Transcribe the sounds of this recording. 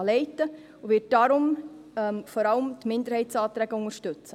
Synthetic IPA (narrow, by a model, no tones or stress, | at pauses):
lɛɪtə | uʋɪt̚d̥ɑɾʊm | ɛmfɔɾɑləmt̪mɪnd̪əɾhɛɪtsɑːt̪ɾæɡ̥əʊŋəɾʃtɵt͡sə